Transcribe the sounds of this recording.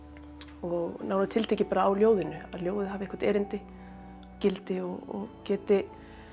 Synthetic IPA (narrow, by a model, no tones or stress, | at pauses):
ɔɣnaːwnat̪ʰɪlt̪ʰeːcɪ̥paːɾaːwljoːwðɪnʏaðljoːwðɪðɦavɪɪhkvaɾt̪ɛːɾɪnt̪ɪ | cɪlt̪ɪɔɔ̰ɣcɛːt̪ɪ